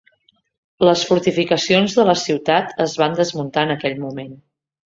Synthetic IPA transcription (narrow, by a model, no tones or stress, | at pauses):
ləsfuɾt̪ifikəsionzðələsiwt̪at̪əzβand̪əzmunt̪aənəkɛʎmumen